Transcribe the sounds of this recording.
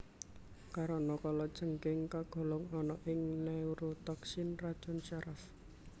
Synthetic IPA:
kaɾɔnɔkalɔd̥ʒ̥ə̤ŋkɪŋkaɡ̥ɔ̤lɔŋɔnɔʔɪŋnauɾot̪ɔksinrad̥ʒ̥ɔ̤nt͡ʃaɾʔaf

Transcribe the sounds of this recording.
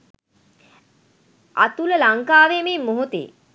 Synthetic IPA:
ʔa̰t̪uləlaŋkaːʋememːoɦot̪ḛ

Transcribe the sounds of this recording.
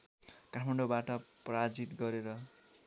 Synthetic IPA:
kaʈʰmaɳɖobaʈʌprad͡zit̪ɡʌɾeɾʌ

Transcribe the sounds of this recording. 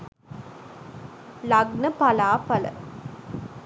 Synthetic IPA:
lɐɡnəpɐlaːpɐlə̰

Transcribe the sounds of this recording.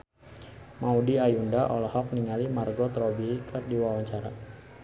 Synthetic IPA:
maudiajundaʔɔlɔhɔk̚niŋalimarɡɔt̪ɾɔbikʰərdiwawaɲt͡ʃaɾa̰

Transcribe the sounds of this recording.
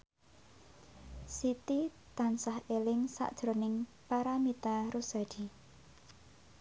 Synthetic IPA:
sit̪i | t̪ansahelɪŋsa̰ʔd̥ʒ̥ɾo̤nɪŋ | paɾamit̪aɾusa̤d̥i

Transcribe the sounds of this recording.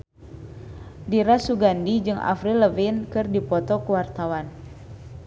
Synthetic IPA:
diɾasuɡandid͡ʒɨŋa̰fɾiləvinkɨrdipɔt̪ɔkuwart̪awan

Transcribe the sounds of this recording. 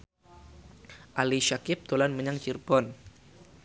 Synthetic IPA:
ʔaliʃakɪp̚t̪olanməɲaŋt͡ʃirb̥ɔn

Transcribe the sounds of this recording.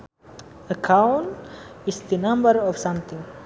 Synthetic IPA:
əkʰãʊnʈisd̪ənʌ̃mbəɾɔvsʌ̃mt̪ʰĩŋ

